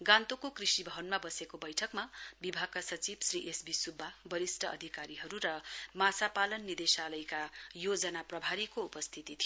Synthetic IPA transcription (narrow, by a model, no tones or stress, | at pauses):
ɡãnt̪okokrisibʱʌɦʌnmabʌsekobʌjʈʰʌkmabibʱaɡ̚kasʌt͡sibsriʔesbisubʱːabʌɾisʈʰʌʌ̰d̪ʱikaɾiɦʌɾuɾʌmasapalʌnːid̪esalʌjkajod͡zʌnaprʌbʱaɾikoupʌst̪ʰit̪it̪ʰij